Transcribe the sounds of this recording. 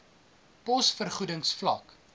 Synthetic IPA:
pɔsfərχudəŋsflɐk

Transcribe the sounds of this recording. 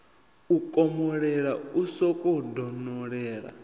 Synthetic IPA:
ukʼɔmɔɺɛɺausɔkʼɔdɔnɔɺɛːɺa̰

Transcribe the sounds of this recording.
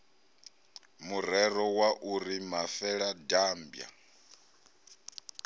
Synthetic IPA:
murɛɾɔwaʔuɾimafɛɺadaːmbja̰

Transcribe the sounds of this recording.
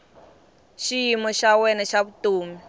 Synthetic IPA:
ʃijimɔʃawɛnɛʃaβutuːmi

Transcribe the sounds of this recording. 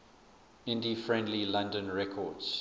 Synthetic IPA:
ɪ̃ndifɹɛ̃ndlilãndə̃nɹɛkʰɔdz̥

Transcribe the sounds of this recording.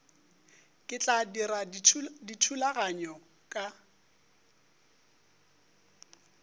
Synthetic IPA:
kʼɪt͡ɬʼadiɾaditʰulaɣaɲɔ | kʼa

